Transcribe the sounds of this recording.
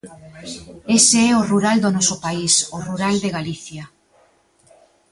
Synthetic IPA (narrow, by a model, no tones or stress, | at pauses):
eseɛoruɾald̪onɔsʊpaisoruɾald̪eɣaliθja